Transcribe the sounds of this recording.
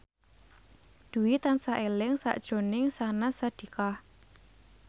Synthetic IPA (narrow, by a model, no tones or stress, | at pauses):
d̪̥ṳwit̪ansaʔelɪŋsa̰ʔd̥ʒ̥o̤nɪŋsanasad̪̥i̤kah